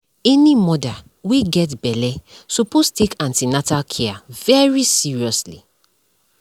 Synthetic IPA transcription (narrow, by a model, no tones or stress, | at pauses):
ɛnimɔda | weɡɛtbɛlɛsupostekãntinatakʰɛavɛɹisiɹiɔslḭ